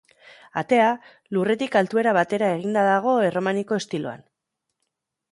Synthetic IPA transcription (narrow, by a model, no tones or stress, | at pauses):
a̰t̪e̞a | lure̞t̪ikalt̪ue̞ɾaβ̞at̪e̞ɾaeɣind̪aðaɣ̞o̞e̞ro̞maniko̞e̞st̪ilo̞̰a̰n